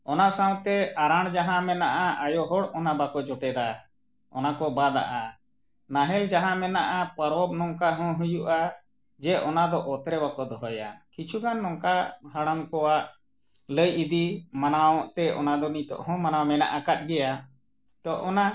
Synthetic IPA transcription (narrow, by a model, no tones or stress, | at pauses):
ɔnasãwt̪ɛaɾaɽ̃d͡ʒaɦãmɛnaʔaajɔɦɔɽɔnabakɔd͡ʒɔʈɛd̪a | ɔnakɔbad̪a̰ʔa | naɦɛld͡ʒaɦãmɛnaʔapəɾɔb̚nɔŋkaɦɔ̃ɦujuʔa | d͡ʒɛʔɔnad̪ɔʔɔt̪ɾɛbakɔd̪ɔɦɔja̰kit͡ʃʰuɡanːɔŋkaɦaɽamkɔwaʔ | ləjid̪imanawɔʔt̪ɛʔɔ̰nad̪ɔnit̪ɔ̰ʔhɔ̃manawmɛna̰ʔakat̪̚ɡɛja | t̪ɔʔɔna